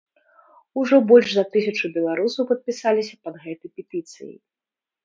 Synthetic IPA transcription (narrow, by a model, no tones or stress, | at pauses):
uʐɔbɔlʲʐzɐt̪ɨsʲɐt͡ʂubʲɛlˠaɾusɐwpɐt̪̚pʲisalʲisʲɐpɐd̪ɣɛt̪ɐjpʲɛt̪ɨt̪sɨ̰jḭ